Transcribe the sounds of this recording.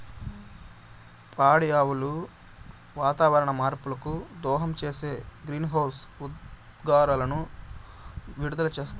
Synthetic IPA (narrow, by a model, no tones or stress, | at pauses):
pʰaːɽijaːwulu | ʋaːt̪aːʋɐɾɐɳɐmaːɾpulɐkud̪ɔːɦɐmt͡ʃeːse̞ːɡɾiːnɦɐwsud̪ | ɡaːɾaːlɐnu | ʋiɽud̪ɐlɐt͡ʃeːst̪u